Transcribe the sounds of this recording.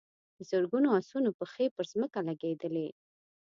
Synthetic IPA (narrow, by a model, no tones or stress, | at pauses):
d̪əzəɾɡunoasunopəxepəɾzməkalaɡed̪əle